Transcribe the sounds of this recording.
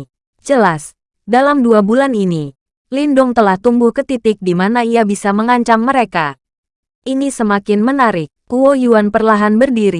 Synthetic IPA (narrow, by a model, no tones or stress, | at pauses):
d͡ʒəlas | dalamduabulanini | lindʊŋt̪əlaht̪umbʊhkət̪it̪ɪk̚dimanaiabisaməŋaɲt͡ʃamːəɾeka | ʔinisəmakɪnmənaɾɪkːuwojuanpərlaɦanbərdiɾi